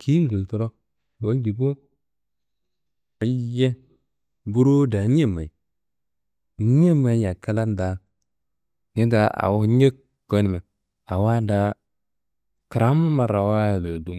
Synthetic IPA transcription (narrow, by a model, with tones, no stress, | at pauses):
kʰi˦ŋ˦ɡə˨lto˦ɾo˦ | bo˦lɡi˨bo˦ | i˨˦je˦ | bu˦ɾo˦da˨˦ɲ˦e˦ma˨i˨˦ | e˦ma˨˦ja˨ka˦la˦n˦da˨˦ | ɲe˦da˨˦a̰˨wo˦ɲe˦k | ɡo˦ni˨me˨ | a˨wa˦da˦ | ka˨ɾa˦m˦ma˨ɾa˨wa˦˨lo˨du˦m